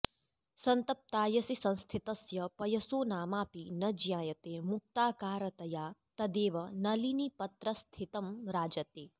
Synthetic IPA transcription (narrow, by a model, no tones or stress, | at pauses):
sɐnt̪ɐp̚t̪aːjɐsisɐ̃nst̪ʰit̪ɐsjɐpɐjɐsoːnaːmaːpinɐd͡ʒjaːjɐt̪eːmuk̚t̪aːkaːɾɐt̪ɐjaːt̪ɐd̪eːʋɐnɐlinipɐt̪ɾɐst̪ʰit̪ɐmɾaːd͡ʒɐt̪eː